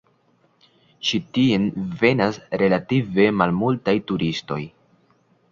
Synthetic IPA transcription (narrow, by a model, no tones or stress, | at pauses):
ʃitienve̞nasɾe̞lative̞malmultajtuɾisto̞j